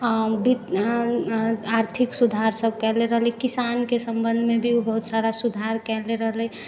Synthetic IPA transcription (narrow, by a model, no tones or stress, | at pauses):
bit̪ | aɾt̪ʰiksud̪ʱaɾsəb̚kɛɦleɾəɦlɛkisankesəmbənd̪ʱmebʱiobəɦut̪saɾasud̪ʱaɾkɛleɾəɦlɛ